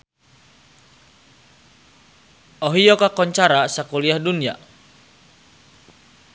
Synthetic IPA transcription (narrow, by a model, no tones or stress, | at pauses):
oɦijɔkakɔɲt͡ʃaɾasakuliahdunia